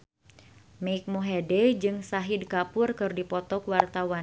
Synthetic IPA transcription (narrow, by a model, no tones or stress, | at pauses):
mɛik̚muɦɛdɛd͡ʒɨŋsaɦidkapʊrkɨrdipɔt̪ɔkwart̪awan